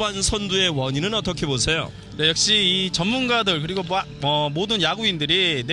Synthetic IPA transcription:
bansʰʌndue̞wʌɲinɯnʌt͈ʌkʰe̞bosʰe̞jo̰ | t͡ɕajʌk̚ɕ͈iːt͡ɕʌmmunɡadɯɭk̬ɯɾiɡoma | ʌmodɯnjaɡuindɯɾine

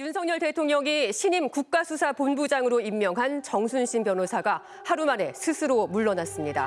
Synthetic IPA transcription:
junsʰʌŋɲʌɭte̞tʰoŋɲʌŋiɕʰiɲimkuk̚k͈asʰusʰaponbud͡ʑaŋɯɾoimːjʌŋɦant͡ɕʌŋsʰunɕʰinpjʌnɦosʰaɡa | haɾumane̞sʰɯsʰɯɾomuɭːʌnas͈ɯmɲida̰

